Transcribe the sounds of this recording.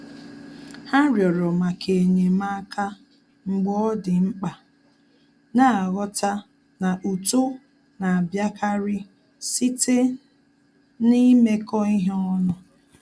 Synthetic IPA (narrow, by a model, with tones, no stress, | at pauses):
ha˦ɾjɔ˨ɾɔ˨ma˨kʰe˨ɲe˨ma˦ka˦ | ŋ͡m̩˨ɡ͡bɔ˦ɔ˦dɪ˨ŋ͡m̩˦k͡pa˨ | na˦a˨ɣɔ˦ta˦ | na˨ʔu˨to˦ | na˨a˨bja˦kʰa˦ɾɪ˦ | si˦te˦ | ni˦me˦kɔ˦i˦ɦe˦ɔ˦nɔ˦